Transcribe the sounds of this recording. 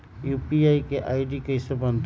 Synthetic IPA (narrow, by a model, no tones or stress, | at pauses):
juːpiaːikeʔaːɪɖikəɪsebə̃nd̪